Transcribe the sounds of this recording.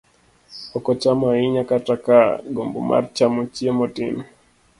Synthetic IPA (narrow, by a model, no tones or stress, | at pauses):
ɔkɔt͡ʃamaiɲakatakaɡɔmbṵma̰ɾt͡ʃamɔt͡ʃiɛmɔtḭni